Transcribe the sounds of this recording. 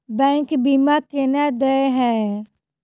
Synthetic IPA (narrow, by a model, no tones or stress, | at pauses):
bɛ̃ːŋkbimaːkenad̪əeɦɛ̃